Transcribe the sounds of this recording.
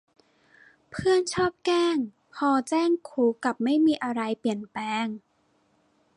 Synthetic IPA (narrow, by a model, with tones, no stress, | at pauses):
pʰɯ˥˩ənt͡ɕʰɔː˥˩p̚kɛː˥˩ŋ | pʰɔː˧t͡ɕɛː˥˩ŋkʰuː˨˦ka˨˩p̚ma˥˩jmiː˧ʔa˧ɾa˧jpi˨˩ənpɛː˧ŋ